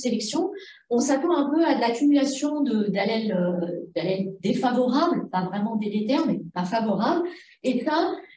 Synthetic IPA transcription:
selɛksjɔ̃ | ɔ̃sat̪ɑ̃ɛ̃pøad̪əlakʲymylasjɔ̃d̪əd̪alɛlød̪alɛld̪efavɔʁablpavʁɛmɑ̃d̪ed̪et̪ɛʁmɛpafavɔʁabl | epɥã

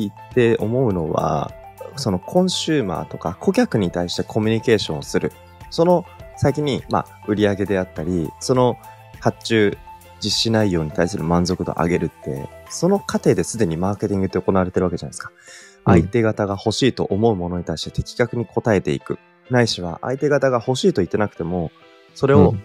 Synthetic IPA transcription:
it̪ːe̞o̞mo̞ɯ̟no̞βa̰so̞no̞kʰõ̞ɰ̃ɕɨːma̰ːt̪o̞ka̰kʰo̞kʲakɯ̟ɲ̟it̪aiɕi̥t̪e̞kʰo̞mʲiɲ̟ike̞ːɕõ̞ːsɨɾɯ̟ | so̞no̞saikʲiɲ̟ima̰ | ɯ̟ɾʲiaɡe̞d̪e̞at̪ːaɾʲiso̞no̞ | hat͡ɕɨː | d͡ʑiɕinaijo̞ːɲ̟it̪aisɨɾɯ̟mãnzo̞kɯ̟d̪o̞̰ʔa̰ɡe̞ɾɯ̟t̪ːe̞̰so̞no̞kat̪e̞ːd̪e̞sɨd̪e̞ɲ̟imaːke̞t̪ʲĩŋɡɯ̟t̪ːeoko̞naβaɾe̞t̪e̞ɾɯ̟ake̞d͡ʑanaesɨ̥kḁʔa̰it̪e̞ɡat̪aɡaho̞ɕiːt̪o̞ʔomo̞ɯ̟mo̞no̞ɲ̟it̪aiɕi̥t̪e̞t̪e̞kʲi̥kakɯ̟ɲ̟ikʰo̞t̪ae̞t̪e̞ḭkɯ̟ | naiɕiβa̰ʔa̰it̪e̞ɡat̪aɡaho̞ɕiːt̪o̞it̪ːe̞nakɯ̟t̪e̞mo̞ | so̞ɾe̞o̞

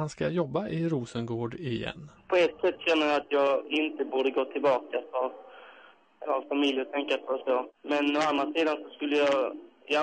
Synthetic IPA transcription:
anskajɔbːaʔɪɾuːsənɡoːɖɪjɛ̰nːpʰɔɛt̪ːsɛt̪ːɕɛnːəjɑat̪ʰjɑːɡɪnt̪əbuːɖəɡoːt̪ʰɪlbɑːkasav | avfamɪljət̪ʰɛŋkːaɔɔsoːmɛnɔanːasiːd̪ansɔskɵlːəjɑ

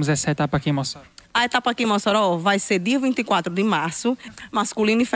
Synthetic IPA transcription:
mʊzɛsɐet̪apɐkĩmɔsɐet̪apɐkĩmɔsɔɾɔvajseɾd̪iɐvĩnt̪ikwat̪ɾʊd̪ɪmaɾsʊmaskulĩnɪf

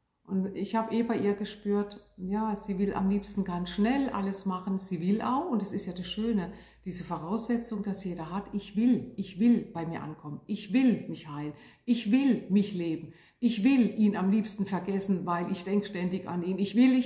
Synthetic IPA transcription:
ʔʊntɪçhaːbəʔeːbaɪʔiːɐɡəʃpyːɐtjaːz̥iːvɪlʔa̰mliːpstn̩ɡansʃnɛlʔa̰ləsmaχən̩z̥iːvɪlʔa̰ʊxʊntd̥asɪstjaːdasʃøːnə | d̥iːzəfoʁ̞aʊsz̥ɛt͡sʊŋd̥asjeːɾɐɦatɪçv̥ɪlʔɪçv̥ɪlb̥aɪmiːɐʔa̰nkʰɔmənʔɪçv̥ɪlmɪçhaɪlən | ʔɪçv̥ɪlmɪçleːbm̩ | ʔɪçv̥ɪlʔiːnamliːpstn̩fɛɐɡɛsn̩vaɪlʔɪçd̥ɛŋkʃtɛndɪça̰niːnɪçv̥ɪlɪ

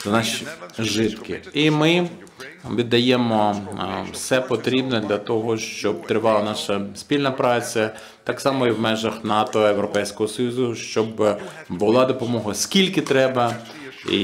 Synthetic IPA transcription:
nɑʃiʒɪt̪kɪ̰imɪ | ʋʲid̪ːɐjemɔwsɛpɔt̪ɾʲibnɛd̪lʲɐt̪ɔɦɔʃt͡ʃɔb̚t̪ɾɪʋɑlˠɐnɑʃɐspʲilʲnɐpɾɑt͡sʲɐ | t̪ɑksɑmɔiwmɛʒɐxnɑt̪ɔewɾɔpɛjsʲkɔɦɔsɔjuzʊʃt͡ʃɔb | bʊlˠɑd̪ɔpɔmɔɦɐskʲilʲkɪt̪ɾɛbɐ | ḭ

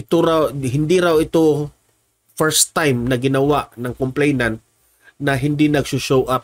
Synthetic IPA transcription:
ʔɪt̪oɾawhɪnd̪iɾawɪt̪o | fɛɹst̪ːajmnɐɡɪnɐwaʔnɐŋkomplejnant̪̚ | nɐɦɪnd̪inɐɡsʊʃowʔap̚

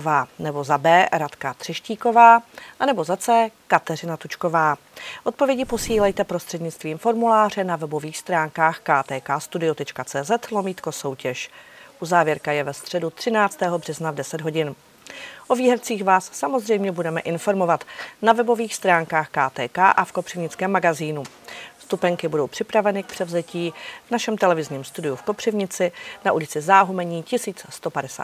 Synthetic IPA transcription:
vaːnɛbo̞zabɛːɾat̪kat̪r̝̥ɪʃciːko̞vaːʔanɛbo̞zat͡sɛːkat̪ɛr̝ɪnat̪ut͡ʃko̞vaː | ʔo̞t̪̚po̞vjɛɟɪpo̞siːlɛjt̪ɛpɾost̪r̥ɛdɲɪt͡st̪viːmfo̞ɾmulaːr̝ɛnavɛbo̞viːxst̪ɾaːŋkaːxkaːt̪ɛːkaːst̪udɪjot̪ɛt͡ʃkat͡sɛːzɛt̪lo̞miːt̪ko̞so̞wcɛʃʔuzaːvjɛɾkajɛvɛst̪r̝̥ɛdut̪r̝̥ɪnaːt͡st̪ɛːɦo̞br̝̥ɛznavdɛsɛd̪ɦo̞ɟɪn | ʔo̞viːɦɛft͡siːxvaːsːamo̞zr̝ɛjmɲɛbudɛmɛʔɪnfo̞ɾmo̞vat̪navɛbo̞viːxst̪ɾaːŋkaːxkaːt̪ɛːkaːʔafkopr̥ɪvɲɪt͡skɛːmːaɡaziːnu | st̪upɛŋkɪbudo̞wpr̥ɪpɾavɛnɪk̚pr̥ɛvzɛciːvnaʃɛmt̪ɛlɛvɪzɲiːmst̪udɪjufko̞pr̝̥ɪvɲɪt͡sɪnaʔulɪt͡sɪzaːɦumɛɲiːcɪsiːt͡sst̪o̞padɛsa̰ːt

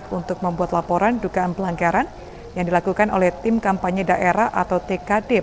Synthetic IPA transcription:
kunt̪ʊk̚məmbuat̪lapoɾanduɡaʔanpəlaŋɡaɾan | jaŋdilakukanʔolɛht̪ɪmkampaɲɛdaʔeɾahʔa̰t̪awt̪ekadɛ

